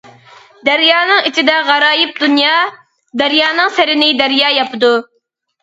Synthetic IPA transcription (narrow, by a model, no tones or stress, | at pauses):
d̪æɾjɑːnɨŋit͡ʃʰid̪ɛʁɑɾɑːjɪp̚d̪unjɑː | d̪æɾjɑːnɨŋsɪɾɪnɪd̪æɾjɑːjɑpɨd̪u